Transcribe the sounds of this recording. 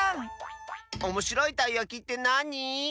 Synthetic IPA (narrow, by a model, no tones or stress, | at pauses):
omo̞ɕiɾo̞it̪aijakʲit̪ːe̞naɲ̟i